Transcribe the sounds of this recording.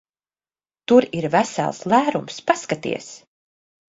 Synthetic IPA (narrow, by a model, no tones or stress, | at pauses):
t̪uɾiɾvæsæ̰lˠslˠæːɾumspaskat̪ḭɛs